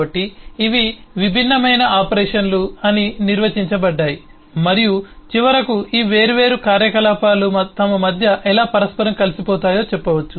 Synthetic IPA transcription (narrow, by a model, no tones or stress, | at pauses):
ɐʈːiːʋiʋibʱinːɐmɐjnɐaːpɐɾɛːʂɐnluɐniniɾʋɐt͡ʃiɲt͡ʃɐbɐɖːaːji | mɐɾijut͡ʃiʋɐɾɐkuiːʋe̞ːɾuʋe̞ːɾukaːɾjɐkɐlaːpaːlumɐt̪ɐmɐmɐd̪ʱjɐʔɛlaːpɐɾɐspɐɾɐmkɐlisipɔːt̪aːjo̞ːt͡ʃɛpːɐʋɐt͡ʃːu